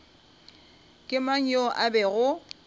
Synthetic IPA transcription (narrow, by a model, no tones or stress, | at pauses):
kʼɪmaŋ̩jɔʔabɛɣʊ